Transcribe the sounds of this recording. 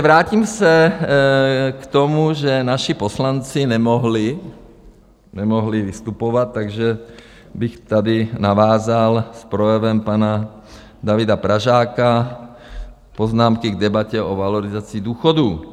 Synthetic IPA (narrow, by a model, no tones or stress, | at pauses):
vɾaːcimsɛ | kt̪omuʒɛnaʃiposlant͡sɪnɛmoɦlɪ | nɛmoɦlivist̪upovat̪ːaɡʒɛ | bixt̪adinavaːzalspɾojɛvɛmpana | d̪avid̪apɾaʒaːka | poznaːmkiɡd̪ɛbacɛovaloɾɪzat͡sid̪uːxoduː